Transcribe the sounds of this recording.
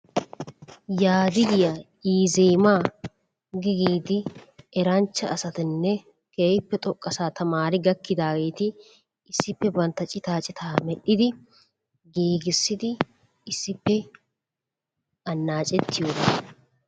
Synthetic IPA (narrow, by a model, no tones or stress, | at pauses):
jaːd̪ɪɡɪjɐ | iːzeːmaː | ɡɪɡiːd̪ɪɛɾɐnt͡ʃːɐʔɐsɐt̪ɪnːɛ | keːjɪpːɛt̪ʼɔkʼːɐsaːt̪ɐmaːɾɪɡɐkːɪd̪aːɡe̞ːt̪ɪ | ɪsːɪpːɛbɐnt̪ɐt͡ʃʼɪt̪aːt͡ʃʼɪt̪ʰaːmɛɗːɪd̪ɪ | ɡiːɡɪsːɪd̪ɪ | ɪsːɪpːɛ | ʔɐnːaːt͡ʃʼɛt̪ːɪjoːd̪ɐ